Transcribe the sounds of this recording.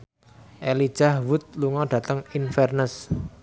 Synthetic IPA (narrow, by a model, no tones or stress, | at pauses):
ʔelid̥ʒ̥ahwʊt̪̚luŋɔɖ̥ä̤t̪əŋinfɛrnəs